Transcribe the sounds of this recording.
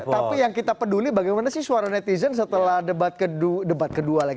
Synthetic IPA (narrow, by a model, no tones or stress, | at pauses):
t̪apijaŋkit̪apədulibaɡajmanasɪhsuaɾanɛt̪izəns̬ət̪əlahdəbat̪̚kədudəbat̪̚kədualaɡi